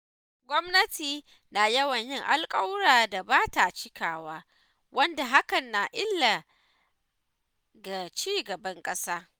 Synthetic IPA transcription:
ɡʷɔ˦mnɐ˦tiː˨ | naː˨jɐ˦wɐ˨ɲjɪ˦ŋʔa˦lkʼɐ˦wɽaː˨da˨baː˦ta˨t͡ʃɪ˦kʰaː˨waː˦ | wɐ˦nda˨ɦa˦kɐ˨nːaː˨ʔɪ˦lːa˨ | ɡa˨t͡ʃiː˦ɡɐ˨bɐ˦ŋkʼɐ˦saː˦

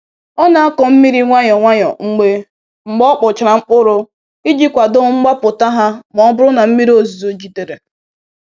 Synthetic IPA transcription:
ɔ˦na˨a˦kɔ˨m̩˦mi˦ɾi˦ŋʷa˦ɲɔ˨ŋʷa˦ɲɔ̰˨ŋ̩˦ɡ͡be˦ | ŋ͡m̩˨ɡ͡bɔ˦k͡pʊ˨t͡ʃɾa˨ŋ͡m̩˦k͡pʊ˦ɾʊ˦ | i˦d͡ʒi˦kʷa˨dʊ˦ŋ͡m̩˦ɡ͡ba˦pʊ˨ta˦ɦa˦m˨ɔ˨ɔ˦bʊ˦ɾʊ˦na˨m̩˦mi˦ɾi˦o˨zi˨zo˦d͡ʒi˨de˨ɾe˨

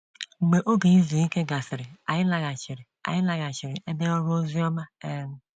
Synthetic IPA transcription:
ŋ͡m̩˨ɡ͡be˨ʔo˦ɡe˨i˦zu˨i˦ke˦ɡa˨sɪ˨ɾɪ˨a̰˨jɪ˦la˨ɡa˨t͡ʃi˨ɾɪ˨a̰˨jɪ˦la˨ɡa˨t͡ʃi˨ɾɪ˨ʔe˦be˦ɔ˦ɾu˦o˦zu˦ɔ˦ma˦e˦

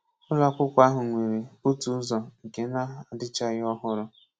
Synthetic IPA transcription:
ʊ˦la˦kʷʊ˦kʷa˦ɦʊ˨ŋʷe˨ɾe˨u˦tu˨˦zɔ˨ŋ̩˨ke˨˦na˦˨a˨dɪ˦t͡ʃa˦ɣɔ˦ɦʊ˦ɾʊ˦

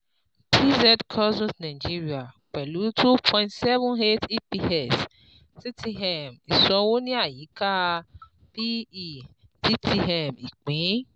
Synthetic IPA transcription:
pʰi˦zɛ˦dkʰɔ˦sɔ̃˦snã˨d͡ʒi˦ɾi˦˨a˨k͡pɛ˨lu˨˦tʰu˦pʰɔ̃˧j̃ntsɛ˦vɔ̃˦ne˦ti˦pi˧ɛ˦˨s | ti˦tʰi˧ɦɛ˨mi˨sɔ̃˨˧wo˦nĩ˦a˦˨ji˨˦ka˦˧ | pi˦i˦˨ | ti˦tʰi˧ɛ˨mi˨k͡pĩ˨˦

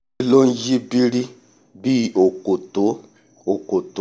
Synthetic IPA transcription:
lo˦n˦d͡ʒi˦bi˦ɾi˦ | bi˦˨o˨ko˨to˨˦ | o˨ko˨to˨

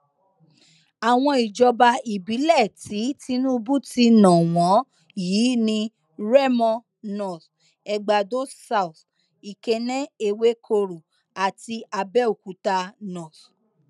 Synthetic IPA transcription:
a˨w̃ɔ̃˧i˨d͡ʒɔ˧ba˧i˨bi˨˦lɛ˦˨ti˨˦ti˦nũ˦bu˦ti˧nã˨w̃ɔ̃˨˦ | jiː˨˦nĩ˧ | ɾɛ˦mɔ̃˧ | nɔ˨θ | ɛ˧ɡ͡ba˨do˦sa˧˨u˨θ | i˨ke˧nɛ̃˦e˧we˦kʰo˧ɾo˨ | a˨ti˧ʔa˧bɛ˦o˨ku˨˦ta˧nɔ̃˨t

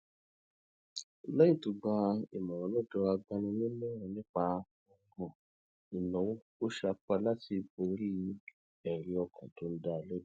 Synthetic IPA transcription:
lɛ˦ĩ˦˨tu˨ɡ͡ba˧ḭ˨mɔ̃˨ɾ̃ɔ̃˨˦lɔ˦˨dɔ˧a˧ɡ͡ba˧nĩ˧nĩ˦lɛ˦ɾ̃ɔ̃˨nĩ˦k͡pa˧˦ | ɔ˧˦ɡɔ̃˨ | i˨nɔ̃˨wo˦ | o˦ʃa˧k͡pa˧la˦ti˧bo˧˦ɾi˦ | ɛ˨ɾĩ˨˧ɔ˧kʰɔ̰̃˨tõ˨˦n̩˦da˦˨lɛ˦

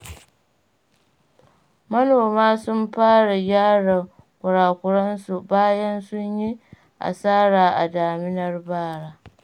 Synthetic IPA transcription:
mɐ˦noː˨maː˦sʊ˦mɸaː˦ɽa˨jaː˦ɽa˨ | kʷʊ˨ɽaː˨kʷʊ˨ɽɐ˦nsu˨baː˦jɐ˦nsʊ˦ɲji˦ | ʔa̰˨saː˦ɽaː˨ʔa̰˨daː˨mɪ˦nɐ˦˨rbaː˦˨ɽaː˦

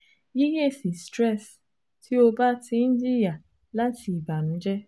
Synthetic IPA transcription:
ji˦je˦˨si˨stɾɛ˦˨s | tʰi˦o˧ba˦tʰĩ˧n̩˦di˦ja˨ | la˦tʰi˦i˨ba˨ñ̩˨˦d͡ʒɛ˦

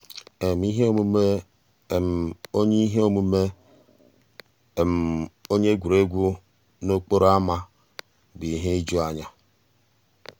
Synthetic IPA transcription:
e˨m˨˦i˦ɦe˦o˦mu˦me˦˨ | m̩˨o˦ɲe˦i˦ɦe˦o˦mu˦me˦˨ | m̩˨o˦ɲe˦ɡʷu˨ɾe˦ɡʷu˦ | no˦k͡po˦ɾo˦a˦ma˦ | bi˨ɦe˦i˦d͡ʒu˦a˨ɲa˦

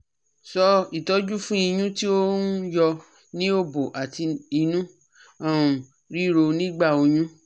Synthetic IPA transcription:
sɔ˧i˨tɔ˨˦d͡ʒu˦fũ˦i˧j̃ũ˦ti˦o˦jɔ˧ | nĩ˦o˦bo˨ʔa˨ti˧i˧nũ˦ | ã˨ | ɾi˦ɾo˧nĩ˦ɡ͡ba˦˨o˧jũ˦

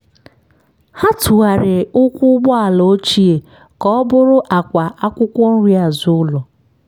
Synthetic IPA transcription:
ha˦tʊ˨a˨ɾɪ˨ʊ˦kʷʊ˦ɡ͡bɔ˦a˨lo˨˦t͡ʃi˦e˨ | kɔ˦bʊ˦ɾʊ˦ʔa˨kʷa˨ʔa˦kʷʊ˦kʷɔ˦n̩˦ɾi˦a˨zʊ˦ʊ˦lɔ˨

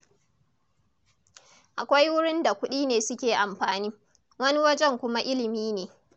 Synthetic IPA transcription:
ʔa˨kʷa˦jwʊ˦ɽɪ˦nda˨kʷʊ˦ɗiː˦neː˨sʊ˦kʲeː˨ʔa˨mɸaː˨niː˦ | wɐ˦ni˦wɐ˦d͡ʒɛ˦˨ŋkʷʊ˦ma˦ʔɪ˦lɪ˨miː˦neː˨

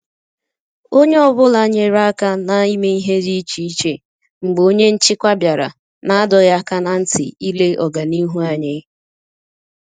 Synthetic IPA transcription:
o˦ɲe˦ɔ˨bʊ˦la˦ɲe˨ɾa˦a˦ka˦na˨i˦me˦i˦ɦe˦ɾi˦t͡ʃi˨i˦t͡ʃe˨ | ŋ͡m̩˨ɡ͡bo˦ɲe˦n̩˦t͡ʃɪ˦kʷa˦bja˨ɾa̰˨ | na˨a˦dɔ˨ja˦ka˦na˨n̩˦tɪ̰˨i˦le˦ʔɔ˨ɡa˨ni˦ɦu˦a˨ɲe˦

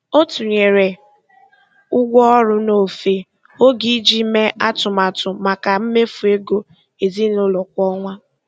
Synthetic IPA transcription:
o˦tu˨ɲe˨ɾe˨ | ʊ˦ɡʷɔ˦ɔ˦ɾʊ˦no˦˨fe˨ | o˦ɡi˦d͡ʒi˦me˦ʔa˦tʊ˨ma˨tʊ˨ma˨ka˨m̩˦me˦fu˨e˦ɡo˦ | e˨zi˦nʊ˦lɔ˨kʷɔ˦ŋʷa˦

